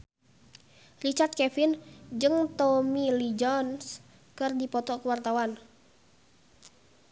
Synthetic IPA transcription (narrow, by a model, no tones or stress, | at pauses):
rit͡ʃart̪̚kɛfind͡ʒɨŋt̪ɔmilid͡ʒɔns | kɨrdipɔt̪ɔkuwart̪awan